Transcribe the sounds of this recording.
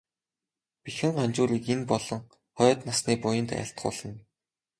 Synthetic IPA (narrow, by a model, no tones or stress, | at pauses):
pixɘ̆ŋɢant͡ɕʊːɾiːkenpɔɮɞ̆ŋ | χɔjt̪nasniːpʊjə̆nt̪æ̰ɬt̪̚ɢʊ̰ːɮə̆n